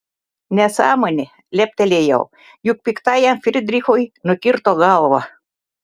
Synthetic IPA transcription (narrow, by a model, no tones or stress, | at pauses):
næsɑ̰mɤ̆nʲe | lʲæp̚t̪ælʲejɑ̰l | juk̚pikt̪ɑjɑnferʲed̪rʲixojnokirt̪oɣɑlˠβɑ